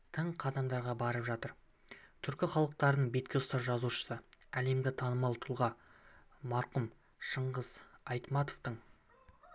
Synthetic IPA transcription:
t̪ʰəɴqʰɑd̪ɑmd̪ɑɾʁɑbɑɾəpʒɑt̪əɾ | t̪ʰʏɾkʲɪχɑlˠəq̚t̪ɑɾənəɴbe̞t̪̚kʲeʊst̪ɑɾʒɑzuʃə̥səæle̞mɡʲɪt̪ʰɑnəmɑlˠt̪ʰʊlˠʁɑ | mɑɾqʊm | ʃəɴʁəz̥ɑjt̪mɑt̪oft̪əɴ

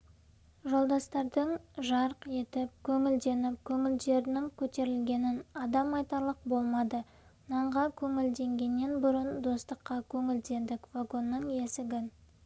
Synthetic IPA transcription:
ʒo̞lˠd̪ɑst̪ɑɾd̪əɴʒɑɾəqe̞t̪ɪp̚kʲʰɵŋɪld̪e̞nɪp̚kʲʰɵŋɪld̪e̞ɾɪnɪŋkʲʰɵt̪e̞ɾɪlɡʲe̞nɪnɑd̪ɑmɑjt̪ɑɾlˠəq̚bo̞lˠmɑd̪ə | nɑɴʁɑkʲʰɵŋɪld̪e̞ŋɡʲe̞nːe̞nbʊɾənd̪o̞st̪əqːɑkʲʰɵŋɪld̪e̞nd̪ɪkvaɡo̞nːəɴe̞sɪɡʲɪn

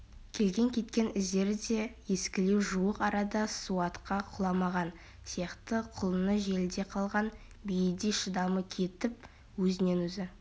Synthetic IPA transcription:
kʲʰe̞lɡʲe̞ŋkʲʰe̞t̪kʲe̞nɪzd̪e̞ɾd̪e̞je̞skʲɪle̞wʒuwəqɑɾɑd̪ɑsuɑt̪qɑqʰʊlˠɑmɑʁɑn | sijɑqt̪əqʰʊlˠənəʒe̞lɪd̪e̞qʰɑlˠʁɑn | bijɪd̪eʃəd̪ɑməkʲʰe̞t̪ɪp̚ | wɵzɪne̞nwɵzɪ

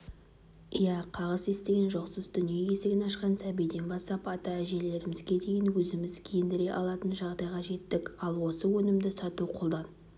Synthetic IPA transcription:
ijæqʰɑʁəze̞st̪e̞ɡʲe̞nʒo̞qsəzd̪ʏnijekʲe̞seɡʲɪnɑʃqɑnsæbijd̪e̞nbɑst̪ɑpɑt̪ɑæʒe̞le̞ɾɪmɪzɡʲe̞d̪e̞jɪnwɵzɪmɪzkʲʰejɪnd̪ɪɾe̞ʔɑ̰lˠɑt̪ənʒɑʁd̪ɑjʁɑʒe̞t̪ːɪkɑlˠwo̞səwɵnɪmd̪ɪsɑt̪uqʰolˠd̪ɑn

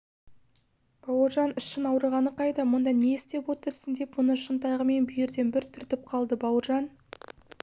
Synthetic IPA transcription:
b̥ɑwəɾʒɑnɪʃːənɑwɾəɾʁɑnəqʰɑjd̪ɑmʊnd̪ɑneɪst̪e̞pwo̞t̪əɾsənd̪e̞pmʊnəʃənt̪ɑʁəme̞nbʏjɪɾd̪e̞nbɪɾt̪ʰʏɾt̪ɪp̚qʰɑlˠd̪əbɑwəɾʒɑn

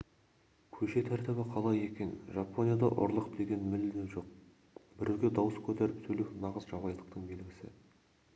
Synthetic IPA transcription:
kʲʰɵʃe̞t̪ʰæɾt̪ɪbɪqʰɑlˠɑje̞kʲe̞nʒapːonijɑd̪ɑ̰ʔʊ̰ɾlˠəqd̪e̞ɡʲe̞nmɪld̪ʒo̞q̚ | bɪɾʔe̞wɡʲe̞d̪ɑwəskʲʰɵt̪æɾɪp̚t̪ʰɵluknɑʁəzʒɑbɑj̪ˠəqt̪əɴbe̞lɡʲɪsɪ̰

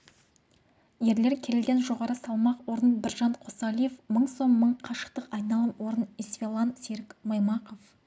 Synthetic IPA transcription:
je̞ɾle̞ɾkʲʰe̞ɾɪlɡʲe̞nʒo̞ʁɑɾəsɑlˠmɑqwo̞ɾənbɪɾʒɑnqʰo̞sɑlʲijefməɴso̞mːəɴqʰɑʃə̥qt̪əqɑjnɑlˠəmwo̞ɾənisfʲelˠɑnseɾɪkmɑjmɑqof

